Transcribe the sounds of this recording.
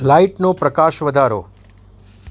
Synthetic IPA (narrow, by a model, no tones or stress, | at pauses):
laiʈnopɾəkaʃʋəd̪ʱaɾo̰